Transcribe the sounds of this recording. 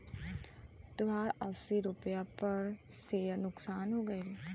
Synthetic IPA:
t̪ʊʋaːɾəsiːɾʊpjaːpəɾseːnʊksaːnɦoːɡəi

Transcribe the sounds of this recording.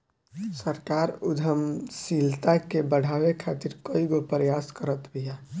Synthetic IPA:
səɾkaɾʊd̪ʱəmsilt̪akebəɽ̤ʱawekʰat̪iɾkoiɡopəɾəjaskəɾət̪bija

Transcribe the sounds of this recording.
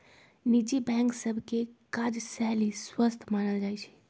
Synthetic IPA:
nid͡ʒibɛ̃ŋksəbʱkekad͡ʒsɛɦliswəst̪ʰmanəld͡ʒajt͡ʃʰɛ̥

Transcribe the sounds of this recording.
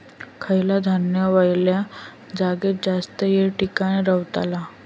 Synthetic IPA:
kʰəjlad̪ʱanjəʋajlja | d͡zaɡet̪̚d͡zast̪əjeʈikaɽ̃iɾəwt̪a̰la

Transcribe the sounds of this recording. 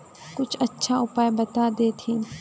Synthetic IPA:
kʊt͡ʃʰɐtːʃʰaʊpaːjbɐt̪ad̪eːt̪ʰĩːn

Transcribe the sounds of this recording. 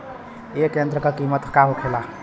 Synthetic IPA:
ekjent̪ɾəkəkimət̪kaɦoʈʰela

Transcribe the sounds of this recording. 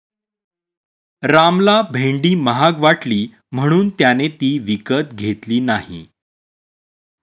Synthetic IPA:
ɾamlabʱeɳɖiːməɦaɡʋaʈliː | m̤əɽ̃uːnt̪janet̪iːʋikət̪̚ɡʱet̪liːnaɦḭ

